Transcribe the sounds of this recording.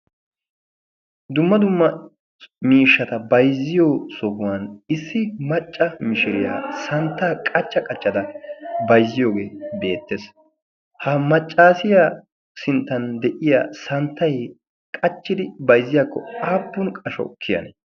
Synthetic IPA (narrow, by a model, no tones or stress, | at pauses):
d̪ʊmːɐd̪ʊmːɐ | miːʃːɐt̪ɐbɐjzːɪjosɔkʊwɐnɪsːɪmɐt͡ʃʼːɐmɪʃɪɾɪja̰ːsɐnt̪ːaːkʼɐt͡ʃːɐkʼɐt͡ʃʼːɐt̪ɐbɐjzːɪjo̞ːɡe̞ːbe̞ːt̪ːes | hɐmɐt͡ʃʼːaːsɪja | sɪnt̪ːɐnd̪ɛʔɪja̰ːsɐnt̪ːɐj | kʼɐt͡ʃːɪd̪ɪbɐjzːɪjaːkːɔaːbːʊnkʼɐʃɔ̰kʰːɪjɐ̰nḛ